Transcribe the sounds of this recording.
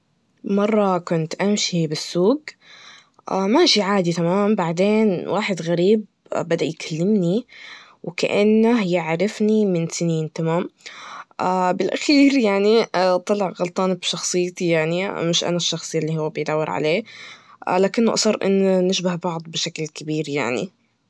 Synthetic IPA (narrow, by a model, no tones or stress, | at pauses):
mɑrˤːɑkʊnt̪ʔamʃibɪsːuːɡ̚ | ʔamaʃiʕaːd̪it̪amaːmbaʕd̪eːnwʔaːħɪd̪ɣaɾiːb̚ | bad̪aʔjkʰalːɪmni | wka̰ʔanːahjɪʕɾɪfnimɪnsɪniːnt̪amaːmʔaːbɪlʔaxiːɾjaʕnit̪ˤɑlɪʕɣɑlt̪ˤɑːnɪbʃɑxsˤɨjːt̪ijaʕnimɪʃʔa̰naʃːɑxsˤɨalːihʊwːbɪjd̪awːɪɾʕa̰leː | laːkɪnːʊʔɑsˤɑrˤʔɪ̰nːanɪʃbahbɑʕd̪ˤbɪʃaklkɪbiːɾja̰ʕnḭ